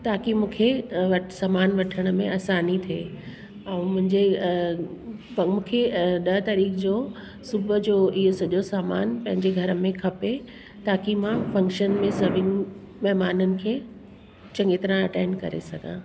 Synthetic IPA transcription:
t̪aːkimũːkʰeʋɐsaːmaːnʋɐʈʰəɽ̃ə̆mẽɐsaːnit̪ʰeː | ɛ̃mʊ̃ɦɪ̃ɲd͡ʑe | mũːkʰeɗɐt̪ɐɾiːkʰd͡ʑoː | sʊbʱd͡ʑoːɪɦosɐʄosaːmaːnpɐ̃ɦɪ̃ɲd͡ʑeɡʱɐɾəmẽkʰɐpe | t̪aːkimãfɐ̃ŋkʃənmẽsɐbʱɪnɪ̆ | mɛɦmaːnənɪ̆kʰeː | t͡ɕɐ̃ŋɡet̪ɾãɐʈẽːɳɖkɐ̰ɾḛsɐɡʱã̰ː

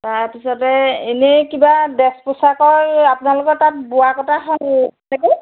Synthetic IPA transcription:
taɹpisɔtɛenekibadɛsposakɔɹapʊnalʊkɔtat̚bʊakɔtʰaɦɔnɛnɛko

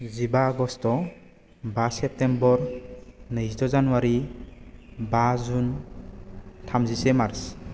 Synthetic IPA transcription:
zibaːɡɔstɔ | basɛp̚tembɔɾnɯsdɔzanuwaɾi | bazun | tʰamzisɛmaɾs

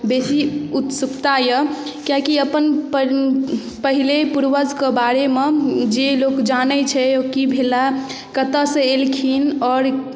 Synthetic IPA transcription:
besiut̪sukt̪ajə | kjãkiəpənpə | pəɦilepuɾʋəd͡ʒkəbaɾemed͡ʒelokd͡ʒanət͡ʃʰɛokibʱela | kət̪əsẽelkʰinɔːɾ

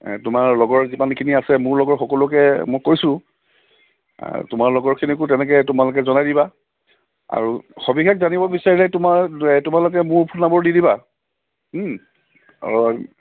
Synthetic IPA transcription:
tʊmaɹlɔɡɔɹzimankʰiniasɛmʊɹlɔɡɔɹxɔkɔlʊkɛmɔjkojsʊ̃ | tʊmaɹlɔɡɔɹkʰinik̬ʊtɛnɛk̬ɛtʊmalʊk̬ɛzɔnajdiba | a̰ɹuxobikʰakzanibɔbisaɹilɛtʊmatʊmalʊk̬ɛmʊɹpʰʊnabɔɹdidiba

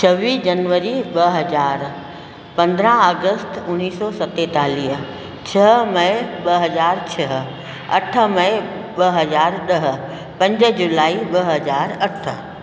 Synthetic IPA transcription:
t͡ʃʰɐʋiːsd͡ʒɐnʋəɾiɓɐɦɐzaːɾ | pɐ̃nd̪ɾãaːɡəst̪ʊnːiːsɔsɐt̪ːet̪aːliːɦ | t͡ɕʰɐɦmɐɪ̃ɓɐɦɐzaːɾt͡ʃʰɐɦ | ɐ̰ʈʰə̆mɐ | ɓɐɦɐzaːɾɗɐɦ̆ | pɐ̃ɲd͡ʑə̆d͡ʒulaːiɓɐɦɐzaːɾɐʈʰə̆

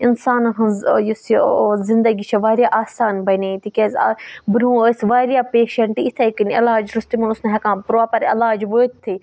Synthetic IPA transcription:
ɪnsaːnɦɐzjusizɪnd̪ɐɡit͡ʃʰɐʋaːɾjaʔaːsaːnbɐnet̪ikʲezbɾũːsʋaːɾijapeːʃɐɳʈit̪ʰekɨnɐlaːd͡ʒɾust̪imɐnʊsnɐɦɐkãːpɾaːpɐɾɐ̰laːd͡ʒʋoːt̪̚t̪ʰːi

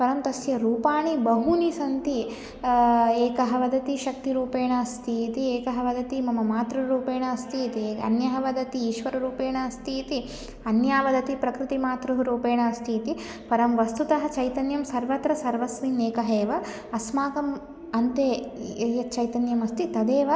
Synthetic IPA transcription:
pɐɾɐmt̪ɐsjɐɾuːpaːɳibɐɦunisɐnt̪i | eːkɐɦɐʋɐd̪ɐt̪iʃɐk̚t̪iɾuːpeːɳɐɐst̪ʰiːt̪ieːkɐɦɐʋɐd̪ɐt̪imɐmɐmaːt̪ɾuɾuːpeːɳɐɐst̪ʰiːt̪iɐ̰njɐɦɐʋɐd̪ɐt̪iiːʃʋɐɾɐɾuːpeːɳɐːst̪iːt̪i | ɐnjaːʋɐd̪ɐt̪ipɾɐkɾit̪imaːt̪ɾuɦuɾuːpeːɳɐɐst̪ʰiːt̪i | pɐɾɐmʋɐst̪ut̪ɐɦɐ̆t͡ʃɐjt̪ɐnjɐmsɐɾʋɐt̪ɾɐsɐɾʋɐsmineːkɐɦeːʋɐ | ɐsmaːkɐm | ɐnt̪eːjɐt͡ʃɐjt̪ɐnjɐmɐst̪it̪ɐd̪eːʋɐ

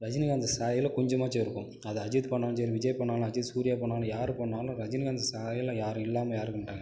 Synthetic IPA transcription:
ɾɐd͡ʒɪnɪɣaːnd̪ɐsaːjɐɪlɐkɔɲd͡ʒɐmaːt͡ʃeːɾɯkːʊ̃m | ɐðɛɐd͡ʒɪt̪pɐɳːaːns̬ɛɾiʋɪd͡ʒɐjɐpɐɳːaːl̃ɐd͡ʒɪðsuːɾɪjaːpoːɳːaːlɐ̃jaːɾɯ̃pɐːɳːaːlʊ̃ɾɐd͡ʒɪnɪɣaːnd̪ɐsaːjɪlɐ̃jaːɾɯ̃ɪlːaːmɐjaːɾɯkːɐɳʈrãŋɡɐ

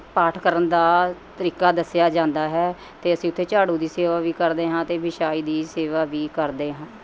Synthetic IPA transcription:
paːʈʰkəɾənd̪aːt̪əɾiːkaːd̪əsɪjaːd͡ʒãːnd̪aːɦɛː | t̪eːəsĩːʊt̪ʰːeːt͡ʃaːɽũːd̪iːseːʋaːʋiːkəɾd̪eːɦãːt̪eːʋɪʃaːiːd̪iːseːʋaːʋiːkəɾd̪eːɦãː

